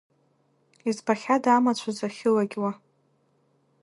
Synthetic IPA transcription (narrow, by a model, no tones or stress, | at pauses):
izbaχʲadamat͡ɕʷʰazaχʲɪlaɡʲwa